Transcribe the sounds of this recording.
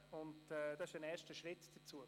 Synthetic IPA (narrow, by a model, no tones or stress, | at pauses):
ʊntɛdɑɪʃd̥ɛnɛːʃtəʃɾɪtd̥ət͡suə